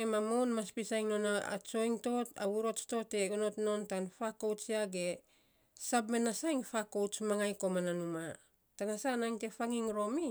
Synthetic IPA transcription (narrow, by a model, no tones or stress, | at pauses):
emamonmaspisajŋno̞naa̰t͡ʃo̞jŋto̞ta̰wuɾo̞t͡ʃto̞te̞ono̞tno̞ntanfakowt͡ʃiaɡe̞ | sabmenasajŋfakowt͡ʃmaŋajko̞mananuma | tanasanajŋte̞faŋiŋɾo̞mi